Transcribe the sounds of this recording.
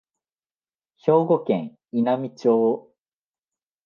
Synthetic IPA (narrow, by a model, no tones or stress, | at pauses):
ço̞ːɡo̞kḛ̃ŋ | inamʲit͡ɕo̞ː